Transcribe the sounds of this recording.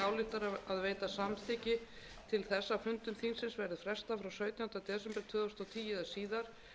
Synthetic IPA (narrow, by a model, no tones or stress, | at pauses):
aːwlɪht̪aɾaaðveːjt̪asamθɪcɪ | t̪ʰɪlθɛsːafʏnt̪ʏmθinsɪnsvɛɾðɪfɾɛ̥st̪afɾawsœːɥt̪jant̪at̪ɛːsɛmpɛɾ̥t̪ʰʏːðɔst̪ɔt̪ʰiːjɪðasiːðaɾ̥